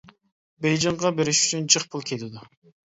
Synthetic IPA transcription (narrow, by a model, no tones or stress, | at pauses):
bejd͡ʒɑɴʁɑbeɾɪʃy̥t͡ʃʰynd͡ʒɨχpʰʊlˠkʲʰelɪd̪ʊ